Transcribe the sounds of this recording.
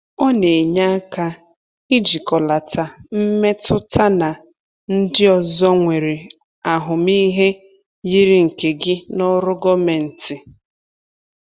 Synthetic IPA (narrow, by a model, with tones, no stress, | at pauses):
ɔ˦ne˨ɲa˦a˦ka˦ | i˦d͡ʒi˨kɔ˨la˨ta˨m̩˦me˦tʰʊ˦tʰa˦na˨ | n̩˦dɪ˦ɔ˨zɔ˦ŋʷe˨ɾe˨ | a˨ɦʊ˨mi˦ɦe˦ | ji˦ɾi˦ŋ̩˨ke˨ɡɪ˦nɔ˦ɾʊ˦ɡɔ˦me˨n̩˨tɪ˨